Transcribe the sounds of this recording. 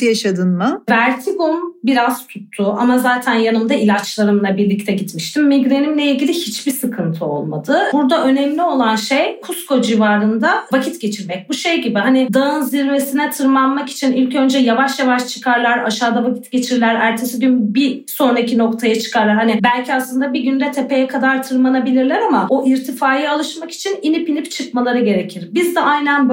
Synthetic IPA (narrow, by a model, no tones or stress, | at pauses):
jaʃad̪ɯnmɯvæɾt̪ʰiɡumbiɾaz̥t̪ʰut̪ʰːʊʔamazaːt̪ʰænjanɯmd̪ailʲat͡ʃlˠaɾɯmlˠabiɾlʲic̚t̪ʰɛɟit̪miʃt̪imːiɟɾenimlʲeilʲɟʲilʲihit͡ʃbisɯkʰɯnt̪ʰɯo̞̰lˠma̰d̪ɯbuɾd̪aʔø̞nɛmlʲio̞lˠanʃe̞jkʰusko̞d͡ʒivaːɾɯnd̪avacʰit̪ɟ̥ʲe̞t͡ʃʰiɾmɛc̚buʃe̞jɟibiɦanɪd̪aɯnziɾve̞sinɛt̪ʰɯɾmanmaki̥t͡ʃʰinilʲcø̞nd͡ʒɛjavaʃjavaʃt͡ʃʰɯ̥kʰaɾlˠaɾaʃaːd̪avacʰit̪ɟe̞t͡ʃʰiɾlʲæɾæɾc̪ʰe̞siɟynbiso̞nɾacʰino̞kt̪ʰajat͡ʃʰɯ̥kaɾlˠaɾhanɪbælʲcʰiaslˠɯnd̪abiɟynd̪ɛt̪ʰepe̞jɛkʰad̪aɾt̪ʰɯɾmanabilʲiɾlʲɛɾamao̞ʔiɾt̪ʰifaːjialˠɯʃmaki̥t͡ʃʰininipinipt͡ʃʰɯkmalˠaɾɯɟe̞ɾe̞cʰiɾbizd̪ɛajnænb